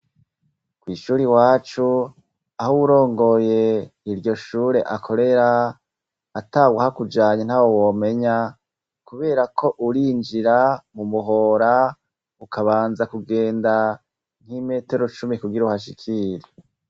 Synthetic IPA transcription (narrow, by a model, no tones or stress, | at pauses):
kwiːʃuːɾiwaːt͡ʃu | ahowuɾo̞ːŋɡo̞je̞iɾɟo̞ʃuːɾe̞ʔakʰo̞ɾe̞ɾaː | taːɡwahakud͡ʒaːɲen̥haːwowome̞ɲa | kuβe̞ːɾakʰo̞ʔuɾiːnd͡ʒiɾamumuɦo̞ːɾa | ukaβaːnzakuɡe̞ːnda | n̥hime̞ːte̞ɾo̞t͡ʃumikuɡiɾauhaʃ̬ikʰiɾe